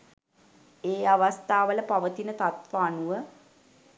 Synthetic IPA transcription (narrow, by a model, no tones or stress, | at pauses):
eːaʋast̪aːʋələpaʋət̪inət̪at̪ʋaːnuʋə